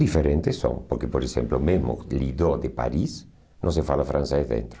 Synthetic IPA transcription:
ðifeɾẽnt̪esõ̰ŋpoɾkepoɾesḛmplomezmo̰liðoðepa̰ɾis | nõsefalafɾãnsezðḛnt̪ɾo

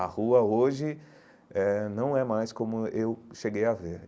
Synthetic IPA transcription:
ɐhuɐoʒɪ | ɛnɐ̃w̃ɛmajskõmʊewʃeɡejɐveɾ

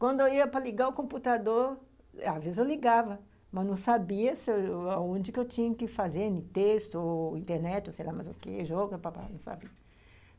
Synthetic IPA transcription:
kwɐ̃nd̪ʊewiɐpɾɐliɡaʊkõmput̪ad̪oɾ | azvezɪzewliɡavɐ | mɐznɐ̃w̃sabiɐseaõd͡ʒɪkɪewt͡ʃĩɲɐkɪfazeɾnɪt̪est̪ʊĩnt̪eɾnɛt͡ʃɪosejlamɐzʊkḛʒɔɡɐpapa̰nɐ̃w̃sa̰biɐ

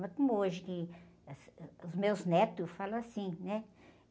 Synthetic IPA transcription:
mɐkõmʊoʒɪkɪsʊzmewznɛt̪ʊsfalɐ̃asĩnɛ

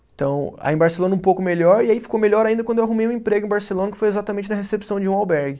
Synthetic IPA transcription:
ẽt̪ɐ̃w̃a̰ẽbaɾselõnɐũpowkʊmeʎɔɾiaifi̥kowmeʎɔɾaĩnd̪ɐkwɐ̃d̪ewaɦumejũẽpɾeɡʊ̃ẽbaɾselõnɐkɪ̥fojezat̪ɐmẽnt͡ʃɪnɐɦesepsɐ̃w̃d͡ʒɪũawbɛɾɡɪ

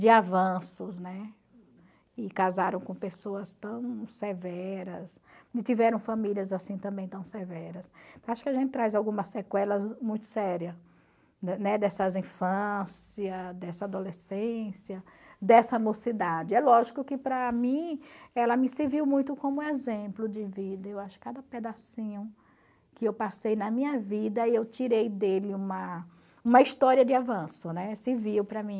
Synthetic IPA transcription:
d͡ʒɪavɐ̃sʊznɛ | ɪkazaɾɐ̃w̃kõpesoɐst̪ɐ̃w̃sevɛɾɐs | ɪt͡ʃ̪ivɛɾɐ̃w̃fɐ̃miliɐzasĩt̪ɐ̃mbẽj̃t̪ɐ̃w̃sevɛɾɐst̪ɐ̃w̃aʃʊ̥kɪaʒẽnt̪ɪt̪ɾajzawɡũmɐsekwɛlɐmũj̃t̪ʊ̥sɛɾiɐ | nɛd̪ɛsɐzĩfɐ̃siɐd̪ɛsɐad̪olesẽsjɐd̪ɛsɐɐmosid̪ad͡ʒɪɛlɔʒikʊkɪpɾɐmĩɛlɐmɪsɪviwmũj̃t̪ʊkõmʊezẽplʊd͡ʒɪvid̪ɐewaʃʊ̥kad̪ɐped̪asĩɲʊ̃ | kɪewpasejnɐmĩɲɐvid̪ɐiewt͡ʃiɾejd̪elɪũmɐ | ũmɐiʃt̪ɔɾiɐd͡ʒɪavɐ̃sʊnɛsɪviwpɾɐmĩ

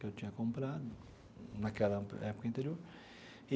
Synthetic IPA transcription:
ewt͡ʃ̪ĩɲɐkõmpɾad̪ʊ | nɐkɛlɐ̰ɛpʊ̥kɐĩnt̪eɾioɾ | i

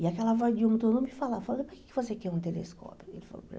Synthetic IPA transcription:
iakɛlɐvɔjd͡ʒiũmut̪onɐ̃mɪfalafal̃poɾke̥kɪvosekɛɾũt̪eleskɔ̰pʊelɪfa̰lo̰p

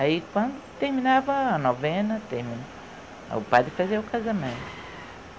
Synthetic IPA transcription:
aikwɐ̃nd̪ʊt̪eɾmĩnavɐːnɔvɛ̃nɐt̪ehmĩn̰ | ʊpad̪ɪfazeɾʊkazamẽnt̪ʊ̥

